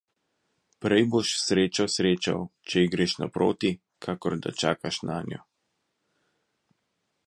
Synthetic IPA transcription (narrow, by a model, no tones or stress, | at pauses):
pɾɛjboʃsɾeːt͡ʃɔsɾeːt͡ʃa̰wt͡ʃɛiɡɾeʃna̰pɾʔo̰ːt̪i | kʰaːkɔɾd̪a̰t͡ʃaːkaʃnʔaːnjɔ̰